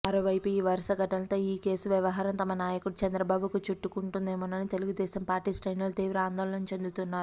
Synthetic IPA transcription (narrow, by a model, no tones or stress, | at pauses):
mɐɾoːʋɐjpuiːʋɐɾɐʃɐɡɐʈɐnɐt̪o̞ːiːke̞ːsuʋjɐʋɐɦaːɾɐmt̪ɐmɐnaːjɐkuɽut͡ʃɐnd̪ɾɐbaːbukut͡ʃuʈːukuɳʈund̪eːmɐnɐnit̪e̞luɡud̪ɛːsɐmpaːɾʈiːsʈɐjnɐlt̪iːʋɾɐaːnd̪ɔːlɐnɐnt͡ʃe̞nd̪ut̪unːaːɾu